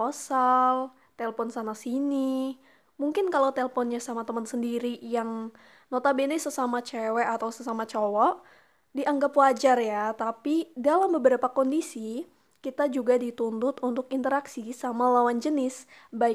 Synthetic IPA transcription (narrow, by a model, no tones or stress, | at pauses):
ɔsal | t̪ɛləfɔnsanasini | muŋkɪnkalowt̪ɛləfɔnɲasamat̪əmənsəndiɾijaŋ | not̪abenɪsəsamat͡ʃewɛat̪awsəsamat͡ʃowɔʔ | diʔaŋɡapwad͡ʒarjat̪apidalambəbəɾapakɔndisi | kit̪ad͡ʒuɡadit̪unt̪ʊt̪unt̪ʊkint̪əɾaksisamalawand͡ʒənɪs | bai